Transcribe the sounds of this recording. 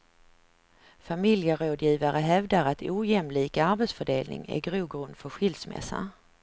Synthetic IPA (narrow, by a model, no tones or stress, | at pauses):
famɪljəɾoːd̪jiːvaɾəɦɛvd̪aɾat̪ʰuːjɛmliːkaɾbɛt̪sfœɖeːlnɪ̰ŋæ̰ɾɡɾuːɡɾɵnd̪fœɾɧʏld̪smɛ̰sːa̰